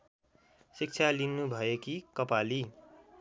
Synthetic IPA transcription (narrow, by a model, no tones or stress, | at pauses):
sik̚t͡sʰalinːubʱʌjekikʌpali